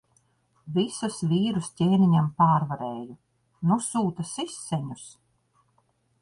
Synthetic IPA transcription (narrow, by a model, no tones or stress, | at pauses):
visusviːɾustʲeːniɲampaːɾvaɾeːju | nusuːt̪asisːeɲus